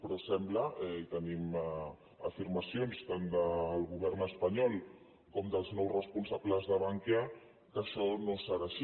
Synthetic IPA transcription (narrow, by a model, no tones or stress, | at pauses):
pɾɔsɛmblaɛit̪ənim | afiɾmasjonst̪and̪əlɣuβ̞ɛɾnəspaɲɔlˠ | kɔmd̪əlˠznɔwsrəspunsapləzðəβaŋkja | kəʃɔnosaɾaʃi